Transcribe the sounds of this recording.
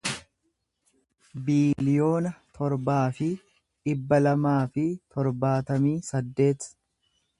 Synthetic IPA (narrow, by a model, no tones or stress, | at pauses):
biːlɪjo̞ːnɐt̪ʰɔɾbaːfɪ | ᶑɪbːɐlɐmaːfɪt̪ʰɔɾbaːt̪ɐmiːsɐd̪ːe̞ːt̪